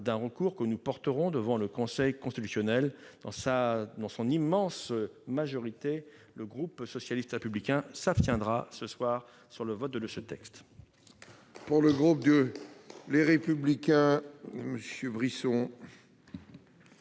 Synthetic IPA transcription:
d̪ɛ̃ʁəkuʁkənupɔʁt̪əʁɔ̃d̪əvɑ̃ləkɔ̃sɛjkɔ̃st̪it̪y̥sjɔnɛld̪ɑ̃sad̪ɑ̃sɔ̃nimɑ̃smaʒɔʁit̪e | ləɡʁupsɔsjalist̪ʁepyblikʲɛ̃sapst̪jɛ̃d̪ʁasəswaːʁ | syʁləvɔt̪̚d̪əd̪əsət̪ɛkst̪ | puʁləɡʁup̚d̪ə | leʁepyblikʲɛ̃məsjəbʁisɔ̃

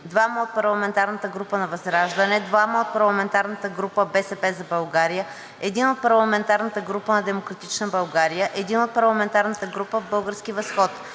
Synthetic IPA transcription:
d̪vaməot̪̚pɐɾlˠɐmɛnt̪aɾnət̪əɡɾupənɐvɐzɾaʒd̪ənɛd̪vaməot̪̚pɐɾlˠɐmɛnt̪aɾnət̪əɡɾupəbɛsɛpɛzɐbɐlˠɡaɾijə | ɛd̪inot̪̚pɐɾlˠɐmɛnt̪aɾnət̪əɡɾupənɐd̪ɛmokɾɐt̪it͡ʃnəbɐlˠɡaɾijəʔɛd̪inot̪̚pɐɾlˠɐmɛnt̪aɾnət̪əɡɾupəvbɤlˠɡəɾsk̟ivɐsxɔt̪

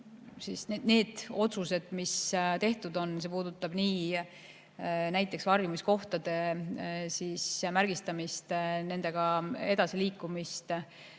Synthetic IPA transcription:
sisnene̞ːd̪̥o̞t̪suse̞d̪̥mist̪e̞ht̪ud̪o̞nse̞p̬uːd̪ut̪ːˑɑb̥niː | næjt̪ˑːe̞ksvɑrjumisko̞ht̪ɑd̪̥e̞siːsmærɡ̥ist̪ɑmist̪ne̞nd̪̥e̞ɡ̥ɑe̞d̪ɑsiliːkːˑumist̪

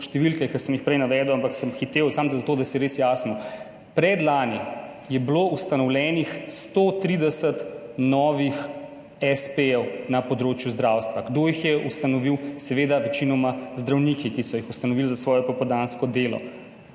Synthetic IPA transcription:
ʃt̪ɛʋilkɛkəsəmjixpɾɛjnaʋɛd̪ɔwampaksəmxit̪ewsamd̪zat̪oːd̪ɐsɛjɛɾesjaːsnɔ | pɾɛd̪laːni | jɛbloust̪anɔwlʲjɛːnixst̪ot̪ɾid̪ɛsət̪nɔːʋix | ɛspeɛwnapɔd̪ɾoːt͡ʃjuzd̪ɾawst̪ʋaɡd̪ojixjɛust̪anɔʋiwsɛʋeːd̪aʋɛt͡ʃinɔmazd̪ɾawnikikisɔjixust̪anɔʋilzasʋɔːjɔpɔpɔd̪anskɔd̪eːlɔ̰

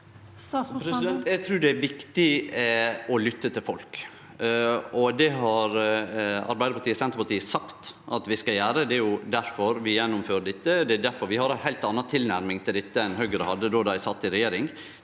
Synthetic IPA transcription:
pɾɛɪd̪ɛnt̪æɡt̪ʰɾʉːd̪ɛæɾʋɪkt̪ɪ | ɔlʏt̪ːət̪ʰɪlfɔlk | ɔd̪ɛɦɑɾ | ɑ̰ɾbæɪd̪əpʰɑʈ̪iːsɛnt̪ɾəpɑʈ̪iːəsɑkt̪ʔɑt̪ʋɪskɑjæːɾəd̪ɛæɾjʊd̪æɾfɔɾʋɪjɛnːʊmføːɾəɖ̪ɛt̪ːəd̪ɛd̪æɾfɔɾʋɪhɑɾæɪɦæɪlt̪ɑnːɑt̪ʰɪlnæɾmɪŋt̪ʰɪld̪ɛt̪ːəɛnhœɡəɾəhɑd̪ːəd̪oːd̪æɪsɑt̪ːɪɾɛjeːɾɪŋ

